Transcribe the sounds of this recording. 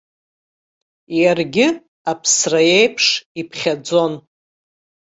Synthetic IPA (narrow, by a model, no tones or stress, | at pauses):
jarɡʲɪ | apʰsrajejpʰʂipʰχʲad͡zo̞n